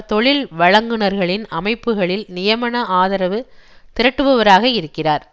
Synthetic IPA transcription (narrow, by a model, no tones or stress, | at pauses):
t̪ɔɭɪlʋɐɻɐŋɡɯɳɐɾɣɐɭɪnɐmɐɪpːɯɣɐɭɪlnɪjɐmɐɳɐʔaːðɐɾɐʋɯt̪ɪɾɐʈːɯʋɐʋɐɾaːɣɐɪɾɯkːɪraːɾ